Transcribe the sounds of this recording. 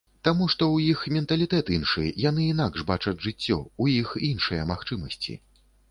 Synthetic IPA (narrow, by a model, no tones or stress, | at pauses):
t̪amuʂt̪ɔwjixmʲɛnt̪ɐlʲit̪ɛt̪inʂɨjan̪ɨinaɡʐbat͡ʂɐd͡zʲʐɨt͡sʲːɔ̰ujixinʂɨjɐmaxt͡ʂɨmɐsʲt͡sʲḭ